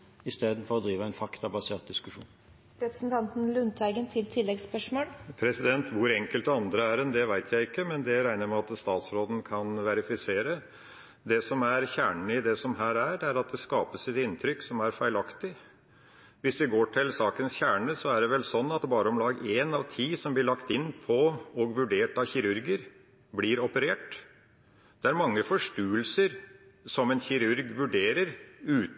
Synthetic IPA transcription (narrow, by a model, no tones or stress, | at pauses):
ɪst̪eːd̪n̩fɔɾɔd̪ɾiːʋəæɛɪnfɑkt̪ɑbɑseːt̪̚d̪ɪskʉʂṵːn | ɾɛpɾəsn̩t̪ʰɑnt̪n̩lʉnt̪ʰæɪɡənt̪ʰɪlt̪ʰɪlːɛɡspœʂmoːlpʰɾɛsɪd̪ɛnt̪ʋʊɾɛŋkəlt̪ɑnd̪ɾəæɾɛnd̪ɛʋæɪt̪ʰjæɪɪkːəmɛnd̪ɛɾæɪnəɾmɛɑt̪st̪ɑːt̪sɾoːd̪n̩kʰɑnʋæɾɪfɪseːɾə | d̪ɛsɔmæɾçæːɳɳ̩ɪd̪ɛsɔmɦæːɾæɖɛæɾɑt̪̚d̪ɛskɑːpəsɪt̪ɪnt̪ʰɾʏkːsɔmæɾfæɪlɑkt̪ɪ | ʋɪsd̪ɪɡoːʈʰɪlsɑːkənsçæːɳəsɔæɖɛʋɛlsɔnːɑt̪bɑːɾəɔmlɑːɡeːnɑʋt̪ʰiːsɔmblɪɭɑkt̪ɪnːpʰɔɔɡʋʉɖeːʈɑʋçɪɾʉɾɡəɾ | bliɾɔpəɾeːʈ | d̪̥ɛæɾmɑŋːəfɔʂʈʉːəlsəɾsɔmɛnçɪɾʉɾɡʋʉɖeːɾəɾʉː